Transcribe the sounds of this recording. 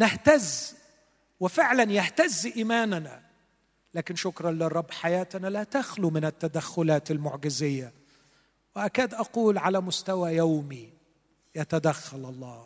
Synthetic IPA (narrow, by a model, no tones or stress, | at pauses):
nɪht̪az | wɪfɪʕlanjaht̪azːʔiːmaːnana̰ | laːkɪnʃʊkɾˤɑnlɪrˤːɑbːħajaːt̪analat̪axlumɪnɪt̪ːad̪axːʊlaːt̪ɪlmʊʕɡɪzɪjːa | wɪʔakaːd̪ʔɑquːlʕalamʊst̪awajawmi | jat̪ad̪axːalʔɑlˤːɑː